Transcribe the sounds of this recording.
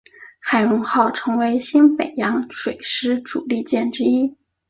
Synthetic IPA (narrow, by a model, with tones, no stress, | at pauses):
xa˨˩ɪɻʊ˧˥ŋxɑ˥˩ʊʈ͡ʂʰɤ˧˥ŋwe˧˥ɪɕi˥npe˨˩ɪjɑ˧˥ŋʂwe˨˩ɪʂɻ̩˥ʈ͡ʂu˨˩li˥˧t͡ɕjɛ˥˩nʈ͡ʂɻ̩˥i˥